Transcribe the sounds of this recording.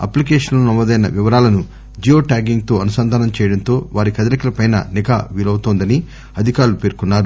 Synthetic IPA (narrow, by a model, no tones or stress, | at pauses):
ɐ̰plikeːʂɐnloːnɐmːoːd̪ɐjnɐ̰ʋiʋɐɾaːlɐnu | d͡ʒioːʈaːɡiŋɡt̪o̞ːɐnusɐnd̪ʱaːnɐmt͡ʃɛːjɐɽɐnt̪o̞ːʋaːɾikɐd̪ɐlɐkɐlɐpɐjnɐ̰nika̰ːʋiːlɐwt̪oːnd̪ɐni | ɐd̪ʱikaːɾlupeːɾkunːaːɾu